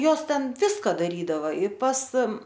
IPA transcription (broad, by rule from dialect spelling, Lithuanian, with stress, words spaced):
ˈjoːs ˈtʲɛn ˈʋʲɪskɐ dɐˈrʲiːdɐʋɐ ɪ pɐs